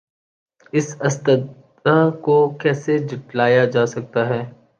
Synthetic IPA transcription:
ɪsɐst̪əd̪ | akokɛːsed͡ʒɪʈlaːjad͡ʒaːsɐk̚t̪aɦɛː

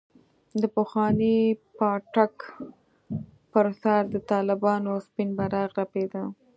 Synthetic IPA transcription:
d̪əpəxwɑnipɑʈak | pəɾsaɾd̪ət̪ɑlɪbɑnospinbaɾaɣɾaped̪ə

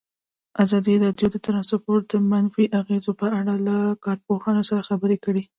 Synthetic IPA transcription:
azɑd̪iɾɑɖjod̪ət̪aɾɑsapoɾd̪əmanfiʔaɣezopəaɽalakɑɾpoxɑnosaɾaxabəɾekəɽi

